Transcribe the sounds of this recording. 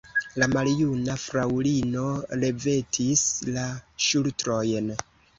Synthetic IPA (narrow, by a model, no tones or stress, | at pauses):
lamaljunafɾawlino̞ɾe̞ve̞tʰislaʃultɾo̞jn